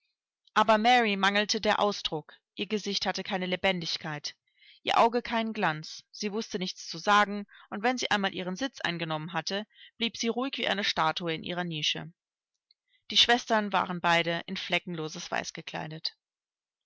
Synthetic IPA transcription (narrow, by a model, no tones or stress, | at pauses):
ʔaːbɐmɛʁimaŋl̩tʰədeːɐʔa̰ʊsd̥ʁʊk | ʔiːɐɡəzɪçthatəkʰaɪnəlebɛndɪçkʰaɪt | ʔiːɐʔaʊɡəkʰaɪnnɡlant͡sz̥iːvʊstənɪçt͡st͡suzaːɡŋ̩ʔʊntv̥ɛnziːʔa̰ɪnmaːlʔiːʁ̞ənzɪt͡sʔa̰ɪnɡənɔmənɦatəb̥liːpz̥iːʁuɪçv̥iːʔaɪnəʃtaːtuəɪnʔḭːʁɐniːʃə̰ | d̥iːʃv̥ɛstɐnva̰ːʁ̞ənbaɪdəʔɪnflɛkŋ̩loːzəsv̥a̰ɪsɡ̥əkʰl̥a̰ɪdət